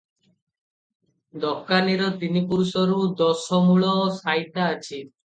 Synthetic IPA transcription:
d̪ɔkːaniɾɔt̪inipuɾsɔɾud̪ɔsɔmuɭɔsajt̪aːt͡ʃʰi

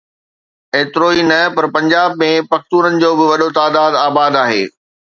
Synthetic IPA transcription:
eːt̪ɪɾoːinɐpɐɾpɐ̃ɲd͡ʑaːbmẽpɐxt̪uːɾənɪ̆d͡ʑoːbɪʋɐɗot̪aːd̪aːd̪aːbaːd̪aːɦḛː

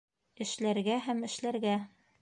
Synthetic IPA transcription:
ɘ̆ʃlæɾɡæɦæmɘ̆ʃlæɾɡæ

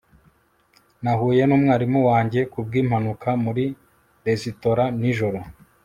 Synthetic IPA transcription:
naɦuːje̞nuːmŋaːɾimuwaːɲɟe̞kub̚ɡiːmhanukʰamuɾi | de̞zito̞ɾaniʒo̞ɾo̞

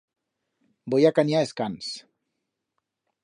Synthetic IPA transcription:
bojakanaeskans

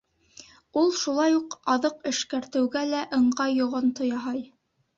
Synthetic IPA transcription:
ulˠʃulˠɑjuqɑðɤqɘ̆ʃkæɾt̪ɘ̆wɡælæʔɤ̆ɴɢɑjːŏʁont̪ŏjɑɦɑj

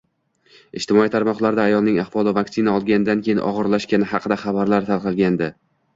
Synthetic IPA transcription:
ɪʃt̪ʰɪmɒit̪ʰaɾmɒqlˠaɾd̪aːjɒlˠnɪŋaχvɒlˠɪvaksɪnaɒlˠɡʲanɪd̪ankʲʰejɪnʔɒ̰ʁɨɾlaʃkʲanɪɦɑqʰɨd̪aχɑbaɾlaɾt̪ʰalˠqʰɨlˠɡʲand̪ɪ

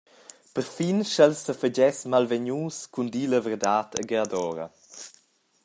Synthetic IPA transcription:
pəɾfinʃɛlsːəfəd͡ʑɛsmalvɛɲuːskundiləvəɾdaːtʰə̰ɡeadɔːɾə̰

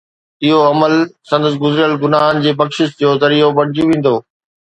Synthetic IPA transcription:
ɪɦoɐməlsɐ̃nd̪əs̬ɡʊzɾɪjəlɡʊnaːɦənɪ̆d͡ʑeːbɐkʃɪʃd͡ʑoːzɐɾiːobɐɽ̤ɪd͡ʑũʋẽːn̆d̪oː

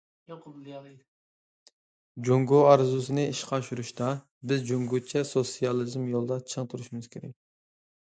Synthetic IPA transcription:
joqʊblˠjɑlˠ | d͡ʒoŋɡoɑɾzusɨnɨiʃqʰɑʃuɾuʃt̪ɑ | bɪzd͡ʒoŋɡot͡ʃʰɛsosijɑlˠɨzmjolˠd̪ɑt͡ʃʰəŋt̪ʰuɾuʃimɨz̥kʲʰeɾɛk̚ʲ

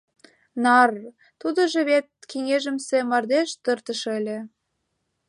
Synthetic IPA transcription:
nɑr | t̪ud̪ə̆ʒɤ̆βet̪̚keŋeʒə̆msĕmɑrd̪eʃt̪ə̆rt̪ə̆ʃelʲĕ

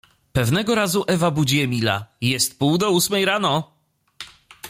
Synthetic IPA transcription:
pɛvnɛɡɔɾazuʔɛvabud͡ʑɛmʲila̰jɛst̪̚puwd̪ɔusmɛjɾanɔ

